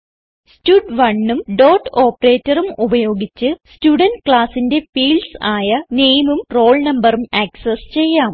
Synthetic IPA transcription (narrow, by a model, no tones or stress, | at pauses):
stuɖʋɐɳːumɖo̞ːʈːo̞ːpːɐreːtːɐrumubɐjo̞ːɡit͡ɕːɨstuɽɐnɖkɭaːsinde̞fiːlsaːjɐneːjmumro̞ːɭnɐmbɐrumɐksest͡ɕe̞jːaːm